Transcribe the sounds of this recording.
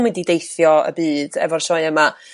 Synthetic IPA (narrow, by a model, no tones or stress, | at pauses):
wɛdidejθjɔə̰bɨːd̥ɛ̰vɔrʃɔɨəma